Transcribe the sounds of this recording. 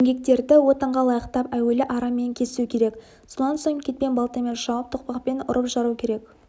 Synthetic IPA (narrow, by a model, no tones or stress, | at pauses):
eŋɡʲek̚t̪e̞ɾd̪ɪwo̞t̪əɴʁɑlˠɑjəqt̪ɑpæwe̞lɪʔɑɾɑme̞ŋkʲʰe̞zɪsukʲʰe̞ɾe̞k | sonɑnsoɴkʲʰe̞t̪̚pe̞nbɑlˠt̪ɑmenʃɑwəp̚t̪ʰʊq̚pɑqpe̞nʊ̰ɾəpʒɑɾukʲʰe̞ɾe̞k